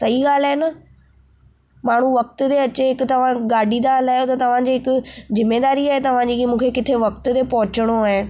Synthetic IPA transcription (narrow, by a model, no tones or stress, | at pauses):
sɐiɡaːl̤aɦenɐ | maːɳ̤uʋɐk̚t̪ʊt̪eɐt͡ɕeɦɪkʊt̪ɐʋ̤ãɡaːɖʱid̪aɦlaːjot̪ɐt̪ɐʋ̤ãd͡ʑiːɦɪkʊzɪmːeːd̪aːɾiaːɦet̪ɐʋ̤ãd͡ʑiːkimũːkʰekɪt̪ʰeʋɐkt̪ʊt̪epɐɦʊt͡ɕəɽ̃oaːɦe